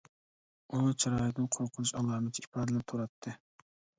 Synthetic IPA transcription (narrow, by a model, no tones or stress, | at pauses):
unt͡ʃʰɑɾɑːjɪt̪nɨnqʰoɾqʰʊnuʃɑlˠɑːmɪt̪ʰiipʰɑːd̪ɪlɪp̚t̪ʰuɾɑt̪ʰːɨ